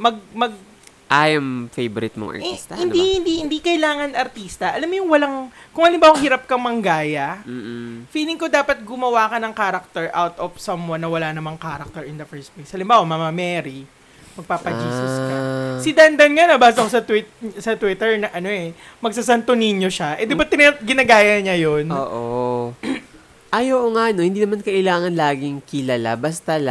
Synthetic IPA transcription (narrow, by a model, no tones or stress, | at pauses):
mɐɡ̚mɐɡ̚ | ʔajɐmfejboɾɪt̪̚mo̰ŋɐ̰ist̪ɐhɪnd̪ihɪnd̪ihɪnd̪ikɐjlaːŋɐnʔɐɾt̪iːst̪ɐʔɐlamːojʊŋwɐlaŋkʊŋhɐlɪmbaːwɐŋhiɾɐp̚kɐŋmɐŋɡaːjɐ | fiːlɪŋkod̪aːpɐt̪̚ɡʊmɐwaːkɐnɐŋkaːɾɐk̚t̪ɛɹʔawt̪ɔfsɐmwɐnːɐwɐlaːnɐmɐŋkaːɾɐk̚t̪ɛɹɪnd̪ɐfɛɹst̪̚plejshɐlɪmbaːwɐmamɐmɛːɾi | mɐɡ̚paːpɐiːsɪskasɪd̪and̪ɐnŋanɐbaːs̬ɐkosɐt̪wɪt̪sɐt̪wɪt̪ɛɹnɐʔɐnoɛmɐɡ̚sasant̪onɪɲjoʃaʔɛd̪ɪbat̪̚ːɪnɡɪnaɡaːjɐɲajonʔoːʔo | ʔaːjowʔoŋaʔno̞hɪnd̪iːnɐmankɐʔɪlaːŋɐnlaːɡɪŋkɪlɐla̰bɐst̪ɐla